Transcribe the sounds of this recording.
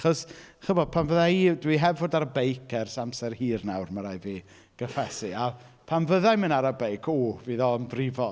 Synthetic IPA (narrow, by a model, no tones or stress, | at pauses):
χɔsχəbɔd̥̚pʰanvəðaidwiɦɛvvoːdaɾbejkʰɛrsamsɛrhiːrnawrməɾajviː | ɡ̥əfɛsɨa | pʰanvəðajmənaɾabejkʰoviðɔənvrɪvɔ